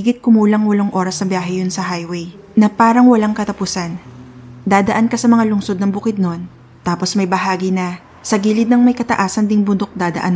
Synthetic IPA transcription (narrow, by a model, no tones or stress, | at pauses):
ɡɪt̪̚kʊmuːlɐŋwɐloŋʔo̞ːɾɐsnɐbjaːɦɛjʊnsɐɦajwɛj | nɐpaːɾɐŋwɐlaŋkɐt̪ɐpʊsand̪aːd̪ɐʔankɐsɐmɐŋalʊŋso̞d̪̚nɐŋbʊkɪd̪̚no̞n | t̪aːpo̞smɐjbɐɦaːɡinɐ | sɐɡiːlɪd̪̚nɐŋmɐjkɐt̪ɐ̰ʔaːsɐnd̪ɪŋbʊnd̪o̞k̚d̪aːd̪ɐ̰ʔa̰n